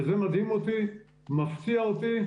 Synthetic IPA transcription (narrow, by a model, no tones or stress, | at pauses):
zemad̪himot̪i | maft̪iaot̪i